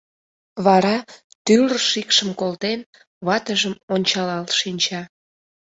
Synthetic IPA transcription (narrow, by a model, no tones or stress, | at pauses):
βɑɾɑ | t̪yləʃikʃəmkolt̪en | βɑt̪əʒəmonʲt͡ɕɑlɑlʃinʲt͡ɕɑ